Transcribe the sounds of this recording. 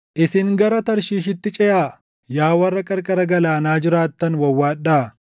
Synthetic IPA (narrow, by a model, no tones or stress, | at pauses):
ʔɪsɪŋɡɐɾɐt̪ɐɾʃiːʃ̬ɪt̪ːɪt͡ʃʼɛʔaː | jaːwɐrːɐkʼɐɾkʼɐɾɐɡɐlaːnaːd͡ʒɪɾaːt̪ːɐnwɐwːaːᶑaː